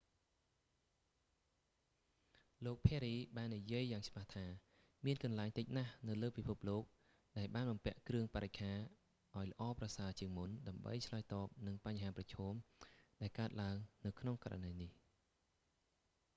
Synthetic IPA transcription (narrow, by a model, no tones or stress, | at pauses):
loːk̚pʰɛɾiːɓaːnːijiəjːaːŋt͡ɕʰɓaht̪ʰaː | miənkɑnlaɛŋt̪ɨc̚nahnɨwləːpipʰup̚loːk̚ | ɗaɛlɓaːnɓɑmpɛ̆əʔkrɨəŋpaɾec̚kʰaː | ʔaɔjlə̆ʔɑːprɑsaːt͡ɕiəŋmunɗaəmɓə̰jt͡ɕʰlaɔːjt̪ɑːp̚nɨŋpaɲɦaːprɑt͡ɕʰɔːmɗaɛlkaət̪̚laəŋnɨwkʰnoŋka̰ra̰nəjnih